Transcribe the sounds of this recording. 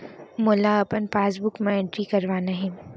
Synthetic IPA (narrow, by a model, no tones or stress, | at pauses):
moːlaɐpənpaːs̬bʊkmẽẽɳʈɾikɐɾʋaːnaɦẽː